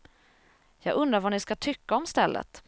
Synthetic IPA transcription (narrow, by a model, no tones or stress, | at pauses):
jɑːɡɵnd̪ɾaɾvaɳɪskat̪ʰʏkːaɔmst̪ɛlːʔə̰t̪